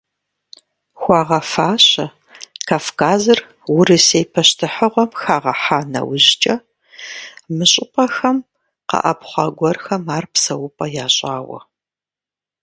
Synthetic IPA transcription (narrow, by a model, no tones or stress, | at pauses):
xʷɑːʁɐfaːɕɐ | kʰaːfkʰaːzɨr | wʊɾɨsejpʰɐʃtʰɨħəʁʷɔmxaːʁɐħaːnɐ̰wʊʑt͡ʃʼɐ | mɨɕʼɪpʼɐxɐm | qɐ̰ʔɐpχʷɑɡʷɔrxɐmaːrpsɐwʊpʼɐjaːɕʼaːwɐ̰